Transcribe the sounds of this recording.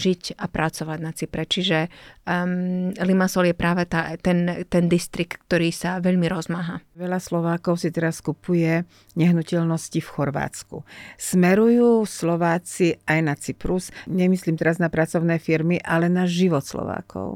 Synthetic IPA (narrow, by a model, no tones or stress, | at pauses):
ʒicapɾat͡sɔʋaɟnat͡sipɾɛt͡ʃiʒɛ | limasɔljɛpɾaːʋɛt̪at̪ɛnt̪ɛnd̪ist̪ɾik̚t̪k̚t̪ɔɾiːsaʋɛʎmiɾɔzmaɦaʋɛʎaslɔʋaːkɔʊsit̪ɛɾaskupujɛ | ɲɛɦnucɛʎnɔscifxɔɾʋa̰ːt͡skṵsmɛɾujuːslɔʋaːt͡siajnat͡sipɾusɲɛmisliːmt̪ɛɾaznapɾat͡sɔʊnɛːfiɾmiʔalɛnaʒiʋɔt̪slɔ̰ʋa̰ːkʰɔ̰ʊ